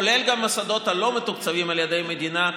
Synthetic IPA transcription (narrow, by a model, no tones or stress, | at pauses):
ole̞lɡamːasad̪o̞t̪alo̞met̪ukt͡savimaljed̪ejme̞d̪ina